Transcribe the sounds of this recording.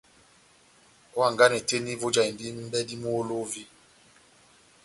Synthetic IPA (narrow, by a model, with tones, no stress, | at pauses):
ɔ˦a˦˨ŋɡa˦nɛ˨te˦ni˦vo˦d͡ʒa˨i˨ndi˦m˦bɛ˦di˦mu˦o˦lo˦vi˦